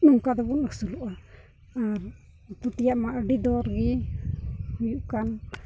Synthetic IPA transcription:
nuŋkad̪ɛbunəksuluʔa | aɾ | t̪ut̪ijaʔmaʔəɖid̪ɔɾɡi | hujuʔkan

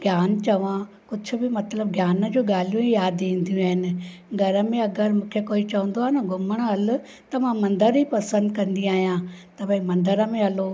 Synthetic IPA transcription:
ɡʱjaːnt͡ɕɐʋã | kʊd͡ʑʱʊ̆bɪmɐt̪ləb̚ɡʱjaːnə̆d͡ʑoːɠaːl̤ijũɦijaːd̪ĩːn̆d̪ijũaːɦɪnɪ̆ɡʱɐɾəmẽɐɡəɾmũːkʰekoːit͡ɕɐʋə̃nd̪oaːnɐɡʱʊməɽ̃ɦɐlʊ̆ | t̪ɐmãmɐ̃nd̪əɾɦipɐsə̃nd̪kɐ̃nd̪iaːɦijãt̪ɐbɐ̃ĩmɐ̃nd̪əɾəmẽɦɐlo

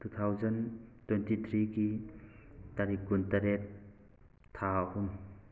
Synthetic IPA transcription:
tut̪ʰawzɐntwentit̪ʰɾiki | taɾikːuntaɾet̚ʰː | ahum

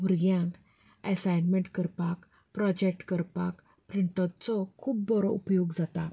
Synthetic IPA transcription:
ʋuɾɡjãk | ɛsajnmẽɳʈkəɾpak | pɾɔd͡ʑek̚ʈkəɾpak | pɾiɳʈat̪t͡sɔkʰuːp̚bɔɾɔupjoɡd͡zat̪a

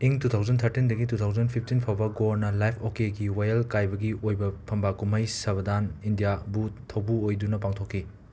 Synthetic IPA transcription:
iŋtutʰawzɐntʰɐɾtindɐɡitutʰawzɐnpʰip̚ʰtinpʰawbɐɡoɾnɐlajpʰokeɡiwajɐlkajbɐɡiojbɐpʰɐmbakumɐjsɐbɐdanindijabutʰɐwbuojdunɐpaŋtʰokʰːi

